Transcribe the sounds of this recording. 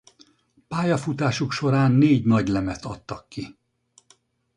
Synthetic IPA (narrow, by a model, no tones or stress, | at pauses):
paːjɒfut̪aːʃukʃo̞ɾaːnːeːɟnɒɟlɛmɛt̪ɒt̪ːɒkːi